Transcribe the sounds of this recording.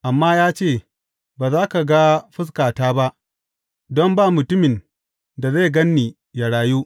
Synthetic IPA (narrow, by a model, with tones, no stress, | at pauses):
ʔa˨mːaː˦jaː˦t͡ʃeː˦˨ | baː˨zaː˦ka˨ɡa˦ɸɪ˦s̬kaː˨taː˦ba˦ʔ | dɔ˦mbaː˦˨mʊ˨tʊ˦mɪ˨n | da˨za˦˨ɡɐ˦nːiː˨ | ja˨ɽaː˨juː˦ʔ